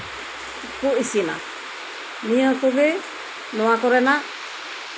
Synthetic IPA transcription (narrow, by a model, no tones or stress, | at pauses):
kuisina̰ | miəkoɡe | noakoɾena